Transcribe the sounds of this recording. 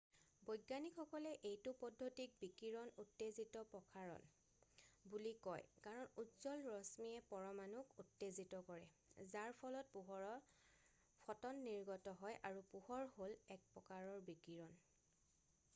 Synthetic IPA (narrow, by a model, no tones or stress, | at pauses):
bɔjɡanikʰɔkɔlɛʔejtʊpɔdʱːotik̚bikiɹɔnutːezitɔpɔkʰaɹɔ̰n | bulikɔjkaɹɔnutz̥ɔlɹɔsmiɛpɔɹɔmanukutːezitɔkɔɹɛ | zaɹpʰɔlɔt̚puɦɔɹɔ | pʰɔtɔnːiɹɡɔtɔɦɔjʔaɹupuhɔɹholɛk̚pɔkaɹɔɹbikiɹɔn